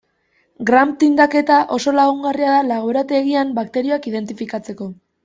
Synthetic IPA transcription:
ɡɾamt̪ind̪ake̞t̪aʔo̞so̞laɣuŋɡariaðalaɣ̞oeɾat̪eːɣiambakt̪e̞ɾio̞akiðe̞nt̪ifikat͡se̞ko̞

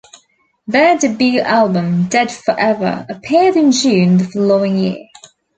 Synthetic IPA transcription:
ðədɪbjʉːˑʔalˠbə̃mdɛd̥fəɹʔɛvə̰əpʰɪəɾɪ̃nd͡ʒʉ̃ːnðəfəloʊɪ̃ŋjɪ̰ə

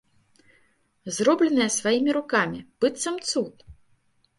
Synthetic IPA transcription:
zrɔblʲɛnɨjɐsvajimʲiɾukamʲib̥ɨt̪sɐmt̪sut̪

